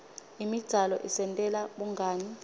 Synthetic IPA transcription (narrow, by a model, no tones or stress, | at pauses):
imid̥ʱalɔ̰ʔisɛntʼɛlaɓuŋɡʱaːni